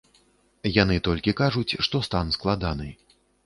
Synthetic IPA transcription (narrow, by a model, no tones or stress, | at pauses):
janɨt̪ɔlʲkʲikaʐut͡sʲʂt̪ɔst̪ansklˠad̪anɨ̰j